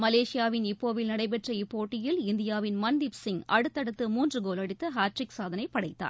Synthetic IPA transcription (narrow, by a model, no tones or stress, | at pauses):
mɐleːʂɪjaːʋɪnɪpːoːʋɪlnɐɽɐɪp̬ɛʈrɐɪpːoːʈːɪjɪlɪnd̪ɪjaːʋɪnmɐnd̪ɪpsɪŋʔɐ̰ɽɯt̪ːɐɽɯt̪ːɯmuːndrɯɡoːlɐɽɯt̪ːɯɦaːʈrɪksaːðɐnɐɪpːɐɽɐɪt̪ːa̰ːɾ